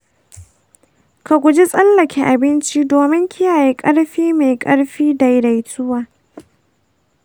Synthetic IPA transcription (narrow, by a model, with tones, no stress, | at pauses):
ka˨ɡʷʊ˨d͡ʒi˦sʼɐ˦lːɐ˨kʲʰe˨ʔa˨bɪ˦nt͡ʃi˦doː˨mɪ˦ŋkʲɪ˦jaː˨jeː˦kʼɐ˦ɽɸiː˦ma˨jkʼɐ˦ɽɸiː˦da˨jɾa˨jtʰʊ˦waː˨